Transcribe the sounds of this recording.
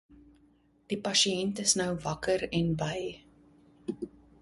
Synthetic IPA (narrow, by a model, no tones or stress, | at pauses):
d̥ipɐʃiɛntəsnœwvɐkəɾɛnbɐj